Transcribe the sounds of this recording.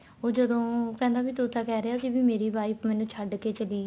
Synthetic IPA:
oːd͡ʒəd̪õːpɛ̃ːnd̪aːbiːt̪ʊt̪aːkɛːɾeaːkɪbiːmeːɾiːbaːipmɛ̃ːnũːt͡ʃʰəɖkeːt͡ʃəliː

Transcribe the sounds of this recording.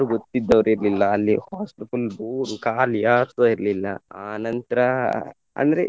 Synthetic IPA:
ɾuɡot̪ːid̪ːɐʋɐɾiɾlilːɐːlːihaːspipɐlbuːɾukaːljaːɾt̪oːiɾlilːɐaːnɐnt̪ɐɾɐ | ɐ̰nd̪ɐɾḛ

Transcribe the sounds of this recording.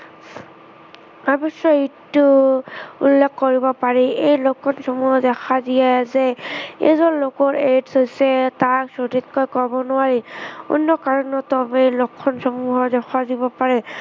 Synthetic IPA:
abɔsɔitːu | ulːekkoɹibɔpaɹɛejlokʰːɔnsɔmuɦɔzɛxʰaziɛzɛḛzɔnlokɔɹedshojsɛtaksoditkɔjkɔbɔnʊwaɹiṵnːɔkaɹɔnɔtɔbejlokʰːɔnsɔmuɦɔɹzɛxʰazibɔpaɹɛ

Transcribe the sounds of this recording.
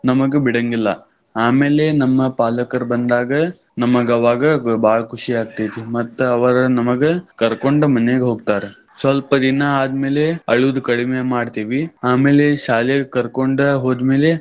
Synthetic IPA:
nɐmɐɡebiɽɐŋɡilːɐ | aːme̞ːle̞nɐmːɐpaːlɐkɐɾbɐnd̪aːɡɐ | nɐmɐɡɐʋaːɡɐbaːɭɐkʰuʂiaːɡ̚t̪ijt̪imɐt̪ːuɐʋɐɾɐnɐmɐɡekɐɾkoɳɖumɐnːeɡeɦoːɡ̚t̪aːɾe | sʋɐlpɐd̪inɐaːd̪me̞ːleɐɭud̪ukɐɽimemaːɖt̪iːʋiaːmeːleʃaːlijɐɡekɐɾkoɳɖɐɦoːd̪me̞ːle

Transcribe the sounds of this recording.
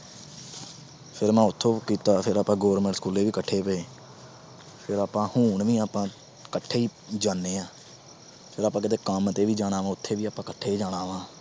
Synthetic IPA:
pʰɪɾmɛ̃ːʊt̪ʰːõːkiːt̪aːpʰɪɾaːpãːɡoːɾmɛ̃ɳʈskuːleːʋiːkəʈʰːeːpəeː | pʰɪɾaːpãːhuːɳʋĩːaːpãː | kəʈʰːeːiːd͡ʒaːnːeːãː | pʰɪɾaːpãːkɪt̪eːkəmt̪eːʋiːd͡ʒaːɽaːʋãːʊt̪ʰːeːʋiːaːpãːkəʈʰːeːiːd͡ʒaːɽaːʋãː

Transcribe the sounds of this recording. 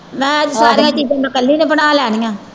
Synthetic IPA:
ʋɛ̃ːəd͡ʒsaːɾeːãːt͡ʃiːd͡ʒãːmãːkəlːiːnẽpənaːlɛːnĩːãː

